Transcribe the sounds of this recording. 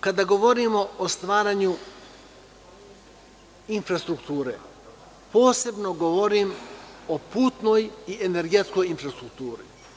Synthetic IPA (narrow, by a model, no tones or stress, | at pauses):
kad̪aɡo̞ʋo̞ɾimo̞ost̪ʋaːɾaɲu | infɾast̪ɾukt̪uːɾḛ | po̞ːse̞bno̞ɡoʋoɾimopuːt̪no̞jiene̞ɾɡe̞t̪sko̞jinfɾast̪ɾuk̚t̪uːɾḭ